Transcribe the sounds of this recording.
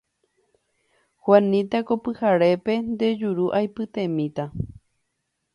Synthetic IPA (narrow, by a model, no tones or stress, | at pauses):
hwanĩt̪akopɨhaɾe̞pend̪e̞d͡ʒuɾuʔajpɨt̪ẽmĩt̪a